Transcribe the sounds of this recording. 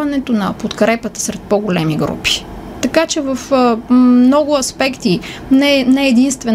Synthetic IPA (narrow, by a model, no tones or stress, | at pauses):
ɐnɛt̪onɐpot̪kɾɛpət̪ə̥sɾɛt̪̚pɔɡolɛmiɡɾṵpi̥ | t̪ɐkat͡ʃɛvəf | mnɔɡʊɐspɛkt̪inɛnɛːd̪inst̪vɛ